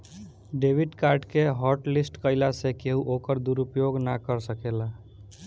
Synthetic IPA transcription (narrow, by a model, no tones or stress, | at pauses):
ɖebiɖkaɾɖkeɦɔɾʈlisʈkəɪlasekeɦuʔokəɾd̪uɾupjoɡnakəɾsəkela